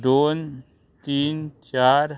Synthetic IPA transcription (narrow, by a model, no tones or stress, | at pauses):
d̪oːn | t̪iːnt͡ʃaːɾ